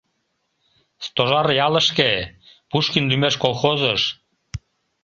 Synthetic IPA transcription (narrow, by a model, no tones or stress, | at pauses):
st̪oʒɑɾjɑlə̆ʃkepuʃkinlymeʃkolxozəʃ